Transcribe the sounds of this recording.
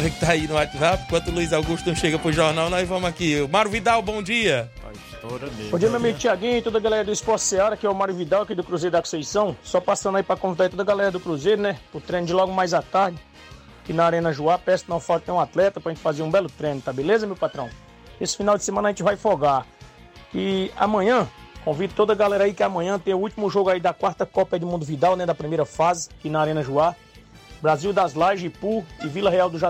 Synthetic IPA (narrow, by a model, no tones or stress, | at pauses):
ɾɐkɪ̥t̪aainʊat͡ʃizapikwɐ̃t̪ʊluizawɡuʃt̪ɐ̃ʃeɡɐpɾʊʒoɾnawnɐ̃w̃ɪvɐ̃mʊakiʊmaɾʊvid̪awbõd͡ʒiɐ | a̰ist̪ɔɾɐmbõd͡ʒijɐmewamiɡʊt͡ʃiaɡĩʊ̃t̪od̪ʊɐɡalɛɾɐd̪ʊispɔɾtseaɾɐkɪɛʊmaɾjʊvid̪awɐkid̪ʊkɾuzejɾʊd̪aksejsɐ̃w̃sɔpasɐ̃nd̪aipɾɐkõvid̪ait̪od̪ɐɡalɛɾɐd̪ʊkɾuzejɾʊnɛpʊt̪ɾẽnʊd͡ʒɪlɔɡʊmajzat̪aɾd͡ʒɪ | kɪnɐaɾẽnɐʒuapɛsnõfalt̪ɪnẽũat̪lɛt̪ɐpɾɐʒẽt͡ʃɪ̥fazeɾũbɛlʊt̪ɾẽnʊt̪abelezɐmewpat̪ɾɐ̃w̃ | esɪ̥finawd͡ʒɪsemɐ̃nɐaʒẽnt͡ʃɪvajfoɡa | kɪa̰mɐ̃ɲɐ̃kõvid̪ɐt̪od̪ɐɡalɛɾaikɪamɐ̃ɲɐ̃t̪ẽj̃ʊut͡ʃimʊʒoɡʊaid̪ɐkwaɾt̪ɐkɔpaid̪ʊmũnd̪ʊvid̪awnɛd̪ɐpɾimejɾɐfazɪakinɐaɾẽnɐʒua | bɾaziwd̪azlajʒɪpuɪvilɐɦeawd̪ʊʒa